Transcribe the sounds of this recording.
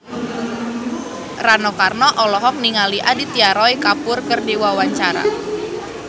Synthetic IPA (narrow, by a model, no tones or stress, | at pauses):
ranɔkarnɔʔɔlɔɦɔk̚niŋaliʔadit̪iaɾɔikapʊrkərdiwawaɲt͡ʃaɾa̰